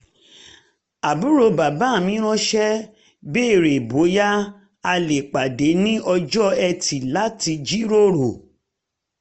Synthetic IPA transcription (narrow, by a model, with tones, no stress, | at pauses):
a˨bu˨˦ɾo˧ba˨ba˨˦˨mĩ˨˦ɾ̃ɔ̃˦ʃɛ˦ | be˦˨ɾe˨bo˨˦ja˦ | a˧le˨k͡pa˨de˨˦nĩ˦ɔ˧d͡ʒɔ˦ɛ˧tʰi˨la˨˦ti˧d͡ʒi˦ɾo˦ɾo˨